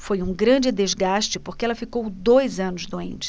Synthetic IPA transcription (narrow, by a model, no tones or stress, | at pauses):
fojũɡɾɐ̃d͡ʒɪd̪ezɡaʃt͡ʃɪpoɾkeɛlɐfikowd̪ojzɐ̃nʊzd̪oḛ̃nt͡ʃɪ̥